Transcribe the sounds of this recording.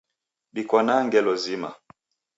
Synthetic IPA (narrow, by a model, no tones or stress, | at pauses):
ɗikɔnaŋɡɛlɔzima̰